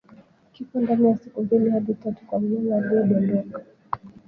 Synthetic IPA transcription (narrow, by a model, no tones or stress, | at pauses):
kikandanijasikumbilihaɗitatu̥kwamjɔlaɓɔɗɔndɔka